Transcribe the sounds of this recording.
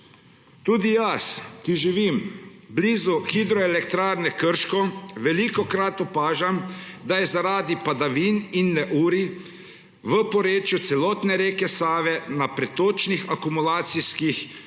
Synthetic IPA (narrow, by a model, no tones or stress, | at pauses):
t̪uːd̪ijaskiʒiʋimbliːzuxid̪ɾɔɛlɛkt̪ɾaːɾnɛkəɾʃkɔʋɛlikɔkɾat̪ɔpaːʒamd̪ajɛzaɾaːd̪ipad̪aʋiːninːɛʔuːɾi | ʋəpɔɾeːt͡ʃjut̪sɛlɔːt̪nɛɾeːkɛsaːʋɛnapɾɛt̪oːt͡ʃnixakumulaːt̪siskix